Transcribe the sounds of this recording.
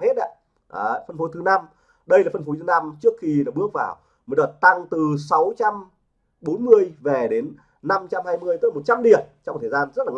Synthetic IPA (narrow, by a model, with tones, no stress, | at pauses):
he˦˥t̚ʔa̰˨˧˦ | ʔaː˨˩fə˧nfo˨˦t̪ʰɨ˨˦na˧m | ɗə˧jlaː˨˩fə˧nfo˨˦t̪ɨ˨˦na˧mt͡ɕɨ˦˥əkxi˧nɔ˨˩ɓɨ˦˥ək̚vaː˧˩w | mə˨˦jɗɔ˨˩t̚t̪a˧ŋt̪ɨ˨˩sa˨˦wt͡ɕa˧m | ɓo˨˦nmɨ˧əjvɛ˨˩ɗe˨˦nː | a˧mt͡ɕa˧mhaː˧jmɨ˧əjt̪ːlːo˨˩t̚t͡ɕa˧mɗi˨˩ənt͡ɕɔ˧ŋ͡mt̪ʰə˨˩zaː˧nzə˦˥t̚laː˨˩